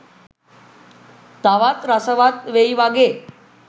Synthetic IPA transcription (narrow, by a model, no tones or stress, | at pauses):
t̪aʋat̪ɾasəʋat̪ʋeiʋaɡe